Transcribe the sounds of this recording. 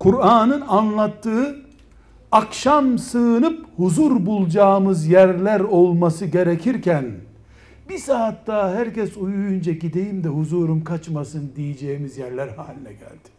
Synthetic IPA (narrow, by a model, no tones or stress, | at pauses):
kʰuɾaːnɯnanlˠat̪ːɯɯ | akʃamsɯːnɯphuzuɾbulˠd͡ʒaːmɯzjæɾlʲæɾolˠmasɯɟe̞ɾecʰiɾcʰæn | bisaːt̪ːaɦæɾcɛsujujund͡ʒaɟid̪ejimd̪ɛɦuzuːɾumkʰat͡ʃmasɯnd̪ijid͡ʒejimizjæɾlʲæɾha̰ːlʲinɛɟæ̰lʲd̪̥i̥